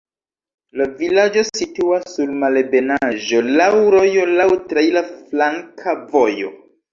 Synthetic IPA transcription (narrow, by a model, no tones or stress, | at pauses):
lavilad͡ʒo̞situassuɾmalebe̞naʒo̞lawɾo̞jo̞lawtɾejlaflaŋkʰavo̞jo̞̰